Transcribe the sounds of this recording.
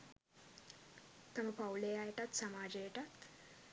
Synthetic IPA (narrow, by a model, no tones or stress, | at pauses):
t̪aməpawlejajeʈat̪samaːd͡ʒejeʈat̪